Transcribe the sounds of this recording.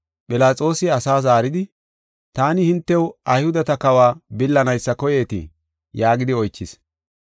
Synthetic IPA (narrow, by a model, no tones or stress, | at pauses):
pʼɪlaːt͡sʼo̞ːsɪɐsaːzaːɾɪd̪ɪ | t̪aːnɪhɪnt̪ːɛwʔɐjhʊd̪ɐt̪ɐkɐwaːbɪlːɐnɐjsːɐkɔjeːt̪ɪ̰ | jaːɡɪd̪ɪɔjt͡ʃːɪs